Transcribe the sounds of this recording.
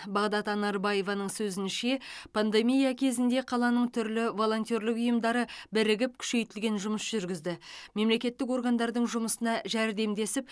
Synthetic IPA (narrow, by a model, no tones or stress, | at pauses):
bɑʁd̪ɑt̪ɑnɑɾbɑje̞vɑnəɴsɵzɪnʃe̞pʰand̪e̞mijɑkʲʰe̞zɪnd̪e̞qʰɑlˠɑnəɴt̪ʰʏɾlɪvo̞lˠo̞nt̪jo̞ɾlɪkʊjəmd̪ɑɾəbɪɾɪɡʲɪp̚kʲʰʏ̥ʃe̞jt̪ɪlɡʲe̞nʒʊməsʒ̥ʏɾɡʲɪzd̪ɪme̞mle̞kʲe̞t̪ːɪko̞ɾɡand̪ɑɾd̪əɴʒʊməsənɑʒæɾd̪e̞md̪e̞sɪp̚